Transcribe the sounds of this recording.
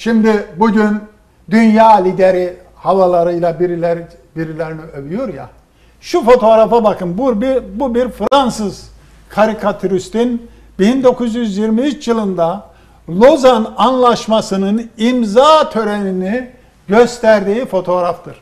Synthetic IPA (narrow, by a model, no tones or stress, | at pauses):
ʃimd̪ibuɟyn | d̪ynjaːlʲid̪eɾi | havalˠaɾɯjlˠabiɾilʲɛɾ | biɾilʲeɾiniø̞vyjoɾja̰ | ʃufo̞t̪ʰo̞ɾafabakʰɯnbuɾbibubiɾfɾansɯz̥ | kʰaɾikʰat̪ʰyɾyst̪in | bind̪o̞kʰuzjyzjiɾmiyt͡ʃjɯlˠɯnd̪a | lˠozananlˠaʃmasɯnɯnimzaːt̪ʰø̞ɾenini | ɟøst̪ʰæɾd̪iːfo̞t̪ʰo̞ːɾaft̪ʰɯɾ̥